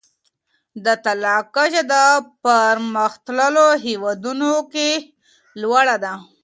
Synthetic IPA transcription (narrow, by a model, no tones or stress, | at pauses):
d̪ət̪alɑkaʒad̪əpəɾməxt̪ləloɦewɑd̪unoke | lwaɽad̪a